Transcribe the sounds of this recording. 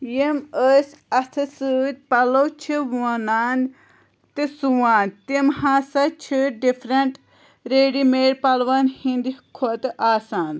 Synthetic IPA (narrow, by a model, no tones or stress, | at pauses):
jeməsʲɐst̪ʰɨsɨd̪̚ʲpɐlowt͡ʃʰiwɐnaːn | t̪isuwaːnt̪imhaːsɐt͡ʃʰiɖifʰɾɐɳʈ | ɾeːɖimeːɾpɐlʋanhind̪ikʰot̪ʔaːsaːn